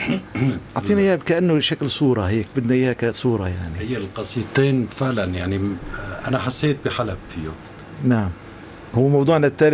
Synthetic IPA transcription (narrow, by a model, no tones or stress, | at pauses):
ʔɑʕt̪ˤiːnaʔiːhakaʔanːʊʃaklsˤuːɾˤɑhɪjːak̚bɪd̪najiːhakasˤuːɾˤɑjaʕnihɪjːalqɑsˤit̪ˤeːnfɪʕlanjaʕniʔanaħasːeːt̪̚bɪħalabfijoːm | naʕam | hʊwːmɑwd̪ˤuːʕnat̪ːaːl